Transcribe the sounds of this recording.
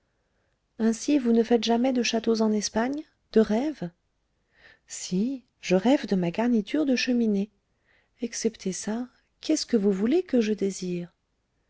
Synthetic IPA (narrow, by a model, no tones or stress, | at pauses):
ɛ̃sivunəfɛt̪ʒamɛd̪əʃat̪ozɑ̃nɛspaɲ | d̪̥əʁɛv | si | ʒəʁɛvd̪əmaɡaʁnit̪ʰyʁd̪əʃəmine | ɛksɛpt̪ʰesa | kʰʲɛskəvuvulekəʒəd̪eziːʁ